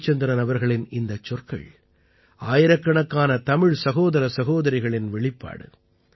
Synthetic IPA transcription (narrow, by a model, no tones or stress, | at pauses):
t͡ʃːɐnd̪ɪɾɐnɐʋɐɾɣɐɭɪnɪnd̪ɐt͡ʃːɔrkɐ̰ɭ | aːjɪɾɐkːɐɳɐkːaːnɐt̪ɐmɪɻsɐɣoːðɐɾɐsɐɣoːðɐɾɐɪɣɐɭɪnʋɛɭɪpːa̰ːɽɯ̰